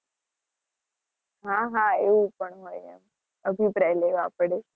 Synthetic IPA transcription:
ɦãɦãeʋũpəɳɦojɛ̰m | əbjipɾajleʋaaːpɽe

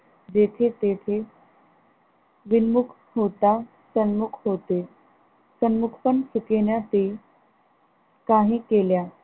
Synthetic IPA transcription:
d͡ʑet̪ʰet̪et̪ʰe | ʋinmukʰ | ɦot̪a | sənmukʰɦot̪e | sənmukʰpəɳsukenjat̪e | kaɦĩːkelja

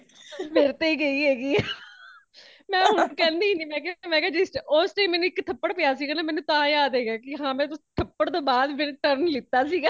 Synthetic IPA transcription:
meɾt̪eːiːɡəiːɦeːɡiː | mɛ̃ːɦʊɳɖkɛ̃ːnd̪iːniːmɛ̃ːkemɛ̃ːkaːd͡ʒɪsʈosʈeiːmɛ̃ːnũːɪkt̪ʰəpːəɽpɪjaːs̬iːɡaːnaːmɛ̃ːnũːt̪ãːjaːd̪ɦeːɡaːkɪɦãːmɛ̃ːt̪t̪ʰəpːəɽt̪õːbaːd̪pɪɾʈəɾnlɪt̪ːaːsiːɡaː

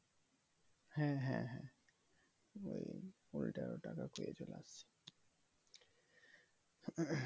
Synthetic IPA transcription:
hɛ̃ɦɛ̃ɦɛ̃ | oj | ultaɹɔtakakojɛd͡ʒolasi̥

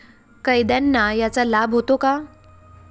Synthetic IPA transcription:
kəjd̪janːajat͡salabʱɦot̪oka

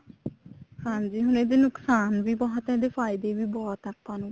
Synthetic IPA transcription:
hãːɲd͡ʒiːɦʊned̪eːnʊksaːnʋiːbɔːt̪ɛːd̪eːpʰaːɪd̪eːʋiːbɔːt̪ət̪ʰːaːnũː

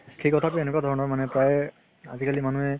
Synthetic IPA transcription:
xʰejkɔtʰapuɛnɛkwadʱɔɹɔnɔɹmanɛpɹaj | a̰zikalimanuɛ

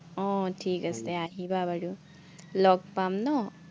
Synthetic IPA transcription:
õʈʰiːkɐst̪eaːɦibʱabɐɽu | lɔːk̚paːmno

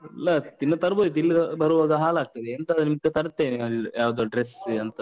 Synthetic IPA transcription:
lɐt̪inːɐt̪ɐɾboːd̪it̪ilːiɐbɐɾuʋaːɡɐɦaːlaːɡ̚t̪ɐd̪eːnt̪ɐd̪unimkːet̪ɐɾɐt̪ːeːneɐɭjaːʋd̪oːɖɾesɐnt̪ɐ

